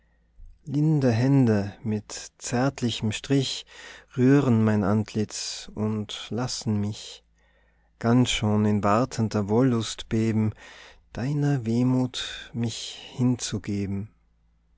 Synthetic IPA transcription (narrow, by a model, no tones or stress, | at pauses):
lɪndəɦɛndəmɪtt͡sɛɐtlɪçəm̩ʃtʁ̥ɪçʁyːʁənmaɪnʔantʰlɪt͡sʊntlasn̩mɪç | ɡ̥ansʃoːnɪnvaʁtʰəntəvoːlːʊstb̥eːbm̩d̥aɪnɐveːmuːtmɪçhɪnt͡suɡeːbm̩